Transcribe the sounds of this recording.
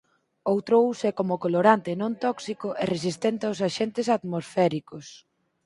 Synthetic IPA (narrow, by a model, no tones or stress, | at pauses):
owt̪ɾousekomokoloɾant̪enõnt̪ɔksikʊʔɛresist̪ɛnt̪eaws̬aʃɛnt̪ɪsat̪mosfɛɾikos